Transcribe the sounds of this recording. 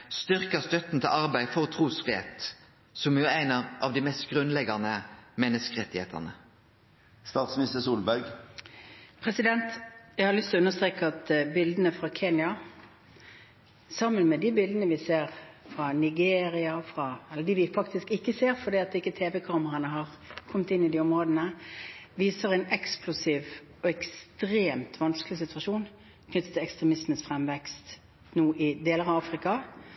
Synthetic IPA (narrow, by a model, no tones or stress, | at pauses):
st̪ʏʁkəst̪œt̪n̩t̪ʰɪlʔɑʁbæɪfɔʁɔt̪ʰʁuːsfʁɪḛːt̪ | sɔmjʊæɪnɑʔɑʋd̪imɛst̪ɡʁʉnlɛɡɑnəmɛnːəskəʁɛt̪ːɪhḛːt̪ʰə̰ʁnə | st̪ɑːt̪smɪnɪst̪əsuːlbæɾɡ | pʰɾɛsɪd̪ɛnt̪jæɪɡhɑɾlʏst̪lɔʉnəst̪ʁeːkəɑt̪bɪld̪ənəfɾɑkʰeːnjɑ | sɑmːənmɛd̪ɪbɪld̪ənəʋɪseːʁfʁɑnɪɡeːɾɪɑfʁɑɛlːəd̪ɪʋɪfɑkt̪ɪskɪkːəseːɾfɔd̪iːɑt̪̚d̪ɪkːət̪ʰeːʋɛkʰɑːməʁɑnəɦɑʁ | kʰɔmːt̪ɪnːɪd̪iɔmʁoːd̪ənəʋiːsəʁæɛɪnɛksklʊsiːʋ | ɔɛkst̪ɾeːmt̪ʰʋɑnsklɪsɪt̪ʉɑʂuːn | kʰnʏt̪ːə̥t̪ʰːɪlɛkst̪ɾɛmɪsmənsfʁɛmʋɛkst̪ | nuːʔɪd̪eːləʁɑɑːfʁɪkɑ